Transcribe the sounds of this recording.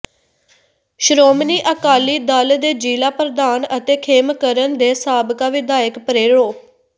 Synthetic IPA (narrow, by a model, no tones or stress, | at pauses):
ʃɾoːmniːʔəkaːliːd̪əld̪eːd͡ʒiːlaːpəɾəd̪aːnət̪eːkʰeːmkəɾənd̪eːsaːbkaːʋɪd̪aːəkpəɾeːɽoː